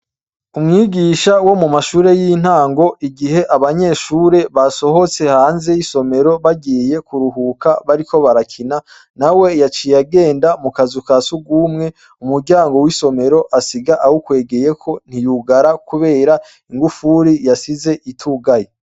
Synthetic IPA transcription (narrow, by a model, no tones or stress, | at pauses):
umŋiːɡiːʃawo̞mumaʃuːɾe̞jin̥haːŋɡo̞ʔiɡiɦe̞ʔaβaɲe̞ːʃuːɾe̞βaso̞ɦo̞t͡se̞haːnze̞jiso̞me̞ɾo̞βaɡiːje̞kuɾuɦuːkaβaɾikʰo̞βaɾakʰina | nawe̞jat͡ʃijaɡe̞ːndamukazukasuɡuːmŋe̞ | umuɾɟaːŋɡo̞wiso̞me̞ɾo̞ʔasiɡaʔahukwe̞ːɡe̞je̞kʰo̞n̥hijuɡaɾakuβe̞ːɾa | iŋɡufuɾijasize̞ʔitʰuɡaje